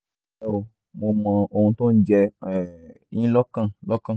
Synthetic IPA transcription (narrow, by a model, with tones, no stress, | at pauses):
e˦o˨ | mo˧mã˨o˧ũ˧t̪õ˦d͡ʒɛ˧ɛ˨ | ɲĩ˦lɔ˦kã˦˨lɔ˦kã˦˨